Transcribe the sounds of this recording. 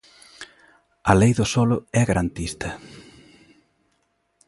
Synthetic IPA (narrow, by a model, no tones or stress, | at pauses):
ɐlejðʊsɔlʊɛɣaɾant̪ist̪ɐ